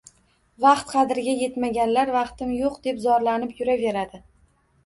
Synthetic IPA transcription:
vɑqt̪qʰɑd̪ɪɾɡʲaje̞t̪maɡʲanlaɾvɑqt̪ɪmjoqd̪e̞pzɒɾlanɪpjʊɾave̞ɾad̪ɪ

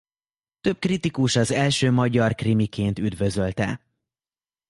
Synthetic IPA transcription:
t̪ø̞b̚krit̪ikuʃɒzɛlʃøːmɒɟɒrkrimikeːnt̪yd̪vø̞zø̞lt̪ɛ̰

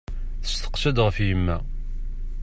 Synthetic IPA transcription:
θə̥st̪ə̥qʃæd̪ʁəfjəmːæ

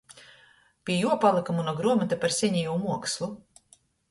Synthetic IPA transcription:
pʲiɛjuɔpalˠɨkamunuɔɡɾuɔmat̪apaɾsʲɛɲʲijuːmuɔkslˠu

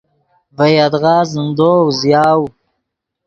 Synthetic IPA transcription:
vajad̪ɣɑːzənd̪owzjɑːw

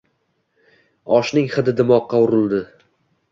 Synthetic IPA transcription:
ɒʃnɪŋχɨd̪ɪd̪ɪmɒqːɑʊɾɪlˠd̪ɪ

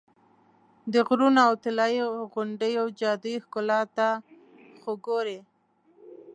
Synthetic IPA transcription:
d̪əɣɾunawt̪ɪlɑjiɣʊɳɖəjawd͡ʒɑd̪ujxkʊlɑt̪a | xoɡoɾe

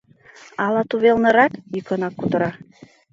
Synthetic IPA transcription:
ɑlɑt̪uβelnə̆ɾɑkjykə̆nɑkːut̪ə̆ɾɑ

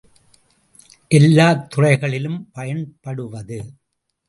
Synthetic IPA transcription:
ʔɛlːaːt̪ːʊrɐɪɣɐɭɪlɯmpɐjɐnpɐɽɯʋɐðɯ

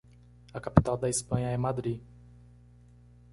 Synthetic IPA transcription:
akapʲi̥t̪awd̪ajspaɲaɛmad̪ɾi

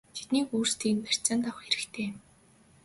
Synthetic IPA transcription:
t̪ʰe̥t̪niːkuːrst̪ʰiːnpʰær̥ʲt͡săːnt̪awχxeɾɘ̆kt̪ʰeːm

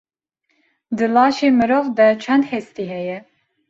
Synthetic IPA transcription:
d̪ɨlɑːʃeːmɨɾovd̪ɛt͡ʃʰɛnd̪hɛst̪iːɦɛjɛ

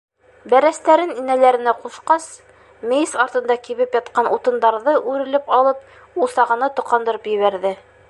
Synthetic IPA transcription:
bæɾæst̪æɾɘninælæɾɘ̆næqusqɑs | mɘjsɑɾt̪ɤ̆nd̪ɑkiβɘpjɑt̪qɑnʔut̪ɤ̆nd̪ɑɾðɤʔʉɾɘ̆lɘpɑlˠɤp̚ | ulˠsɑʁɤ̆nɤt̪ŏqɑnd̪ɤ̆ɾɤpjɘ̆βæɾðɘ

